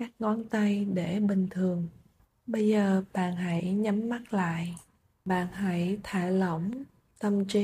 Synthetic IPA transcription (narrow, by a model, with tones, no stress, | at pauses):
kaː˦˥k̚ŋɔ˨˧˦nt̪a˧jɗe˧˩ɓï˨˩ŋ̟t̪ʰɨ˨˩əŋ | ɓə˧jzəː˨˩ɓa̰ː˧˨nɦa˧˥jɲa˨˦mːa˦˥t̚la̰ː˧˨j | ɓa̰ː˧˨nɦa˧˥jt̪ʰaː˧˩lə̰˧˩˨wŋ͡m | t̪ə˧mt͡ɕi˧˦